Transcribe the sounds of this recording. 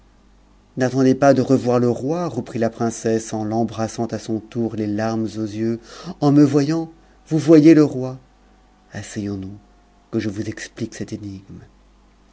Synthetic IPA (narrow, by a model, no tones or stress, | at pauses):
nat̪ɑ̃d̪epad̪əʁəvwaʁləʁwaʁəpχilapχɛ̃sɛsɑ̃lɑ̃bʁasɑ̃t̪asɔ̃t̪uʁlelaʁmzozjøɑ̃məvwajɑ̃ | vuvwajeləʁwa | asɛjɔ̃nu | kəʒəvuzɛkspliksɛt̪eniɡm